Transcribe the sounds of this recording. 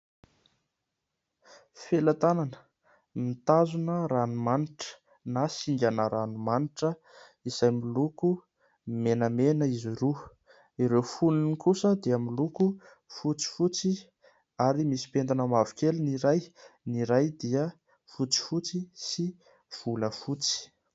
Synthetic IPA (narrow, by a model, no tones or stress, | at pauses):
felat̪ananə̥ | mit̪azunəɾanumaniʈ͡ʂə̥ | nasiŋɡʲanəɾanumaniʈ͡ʂə | iz̥ajmiluku | menəmenəiziɾu | iɾewfuninikusəd̪iəmiluku | fut͡si̥fut͡si | aɾimisi̥pend̪anəmavukeliniɾajniɾajd̪iə | fut͡si̥fut͡sisi | v̥uləfut͡si̥